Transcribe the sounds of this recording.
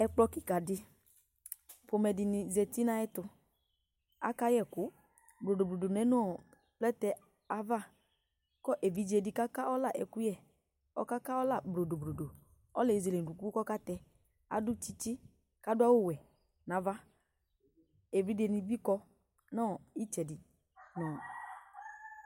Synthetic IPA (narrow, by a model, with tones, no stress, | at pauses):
ɛ˨˧k͡plɔ˧ki˦˨ka˨dɪ˧ | pʊ˨˧mɛ˧dɪ˧nɪ˧zɛ˧ti˦na˦ɛ˦tʊ˧ | a̰˦ka˦jɛ˦˨kʊ˨˦ | bɾo˨do˨bɾo˨do˨nɛ˨˦n˦ɔ˦˨ | plɛ˦tɛ˧ | a˨va˦˨ | kɔ˦ʔe˨vi˨d͡ʒe˨˧˨dɪ˨ka˦ka˦ɔ˦la˦˨ʔɛ̰˨ku˦jɛ˦˨ | ɔ̰˦ka˦ka˦ɔ˦la˦˨bɾo˨do˨bɾo˨do˨ | ɔ̰˦lɛ˨i˨ze˨le˨du˨ku˦kɔ˦ka˦tɛ˧ | a̰˨dʊ˦t͡ʃi˦t͡ʃɪ˦ | ka˨˦dʊ˦a˦wo˦˨wɛ˨ | na˨va˦ | e˨vi˦de˨ni˧bi˦kɔ˧ | nɔ˦˨i˦t͡ʃɛ˨dɪ˨ | nɔ˨